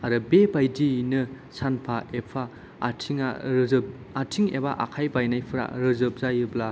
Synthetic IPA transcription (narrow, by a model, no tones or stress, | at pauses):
aɾɯbebajdinɯ | sanpʰaepʰa | atʰiŋaɾː | tʰiŋebaʔa̰kʰajbajnajpʰɯɾa̰ɾɯzɯb̚zajɯbla